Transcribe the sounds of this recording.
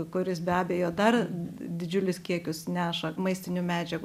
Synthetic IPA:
kʊɾʲɪsbʲæːbʲeːjoːd̪ɐrd̪ʲɪd͡ʒʲʊlʲʊskʲiɛkʲʊsnʲæːʃɐmɐɪsʲt̪ʲɪnʲumʲæːd͡ʒʲɛɡ

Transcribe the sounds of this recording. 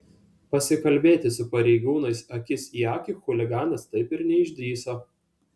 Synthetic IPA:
pɐsʲɪkɐlʲbʲeːt̪ʲɪsʊpɐɾʲɛɪɡuːnɐɪsɐkʲɪsʲiɑːkʲɪˑxʊlʲɪɡɑːnɐst̪ɐɪpɪɾnʲɛɪʒʲd̪ʲiːsoː

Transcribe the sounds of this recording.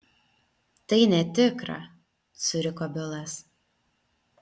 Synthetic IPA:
t̪ɐɪnʲɛt̪ʲɪkɾɐ̰ | sʊɾʲɪkoːbʲɪlˠɐs

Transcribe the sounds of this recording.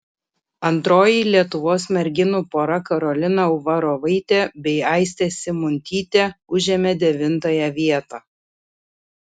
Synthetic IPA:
ɐnt̪ɾoːjiːlʲiɛt̪ʊʋoːsmʲɛɾʲɡʲɪnuːpoːɾɐkɐɾɔlʲɪnɐʊʋɐɾoːʋɐɪt̪ʲeːbʲɛɪɑɪsʲt̪ʲeːsʲɪmʊnʲt̪ʲiːt̪ʲeːʊʒʲɛːmʲɛd̪ʲɛʋʲɪnt̪ɐjɛʋʲiɛt̪ɑː

